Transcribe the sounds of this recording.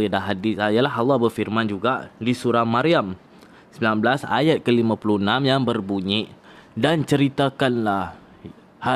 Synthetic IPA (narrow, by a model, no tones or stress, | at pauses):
daɦadɪsaijalaɦawabərfirmãnd͡ʒuɡaʔdisuɾahmãɾiam | səmbilanblasa̰jat̪̚kəlimãpuluənãmjaŋbərbuɲɪʔdant͡ʃəɾit̪akanlah | ha